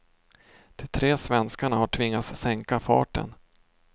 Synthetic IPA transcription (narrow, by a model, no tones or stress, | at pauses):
d̪̥ʰɪt̪ʰɾeːsvɛnskaɳahaʈʰvɪŋːasːɛŋkafɑ̰ːʈə̰n